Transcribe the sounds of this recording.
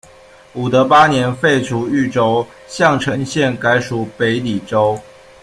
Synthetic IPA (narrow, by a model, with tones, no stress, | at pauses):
u˨˩d̪ə˧˦pa˦njɛ˧˦nfe˥˩ɪʈ͡ʂʰu˨˥˦y˥˩ʈ͡ʂo˥ʊ | ɕjɑ˥˨ŋʈ͡ʂʰə˧˥ŋɕjɛ˥˨nka˧˥ɪʂu˨˩pe˧˥ɪli˨˩ʈ͡ʂo˦ʊ